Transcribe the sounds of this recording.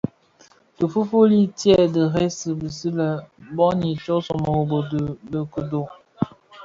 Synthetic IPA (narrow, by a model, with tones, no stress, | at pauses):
də˨fu˦fu˦li˦tjɛ˦˨də˨ɣe˦sə˨bə˨si˦lə˨bɔ˦ni˨t͡ʃo˦so˨mə˨o˨bo˨də˨lə˨kə˨do˨